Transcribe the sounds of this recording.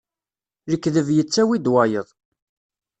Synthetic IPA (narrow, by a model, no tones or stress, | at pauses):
ɾəkːðəvjət͡sːæwid̪wajəðˤ